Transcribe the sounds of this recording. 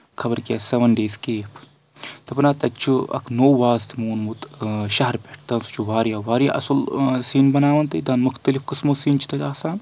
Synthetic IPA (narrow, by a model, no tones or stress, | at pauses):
kʰɐbɐɾkʲaːseʋɐnɖeːzkeːpʰ | t̪ɐpnaːt̪ɐt͡ʃʰuɐ̰kʰnoːʋaːzt̪ʰimuːnmut̪ʃɐɦɐɾpʲeʈ̚ʰt̪ɐːnsu̥t͡ʃʰuʋaːɾjaːʋaːɾja̰ʔɐsɐlsiːnbɐnaːʋɐnt̪ɐd̪ɐːnmʊxt̪ɐlifkɨsmoːsiːnt͡ʃʰi̥t̪ɐt̪ʲaːsaːn